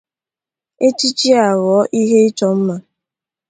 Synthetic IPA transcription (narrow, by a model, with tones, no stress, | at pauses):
e˦t͡ʃi˦t͡ʃi˦a˨ɣɔː˨˦ʔi˦ɦe˦ɪ˦t͡ʃɔ˦m̩˦ma˦